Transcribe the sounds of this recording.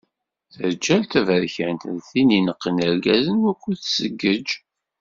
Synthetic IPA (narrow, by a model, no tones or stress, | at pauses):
θəɾd͡ʒælt̪ævəɾçænt̪əðθininəqːənəɾɡæzənukʷːuθsəɡːəd͡ʒ